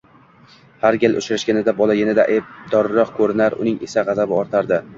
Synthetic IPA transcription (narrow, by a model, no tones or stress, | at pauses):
haɾɡʲɪlʔʊ̰t͡ʃɾaʃɡʲanɪd̪abɒlˠajʲanɪd̪aʔeb̚d̪ɒɾɾɒqkʰɵɾɪnaɾʊ̰nɪŋesaʁɑzabɪɒɾt̪ʰaɾd̪ɪ